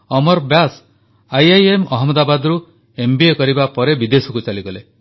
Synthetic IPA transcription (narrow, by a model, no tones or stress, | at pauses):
ɔmɔɾbjas | ajajemɔɦɔmɔd̪abad̪ɔɾu | embiekɔɾibapɔɾebid̪esɔkut͡ʃaliɡɔle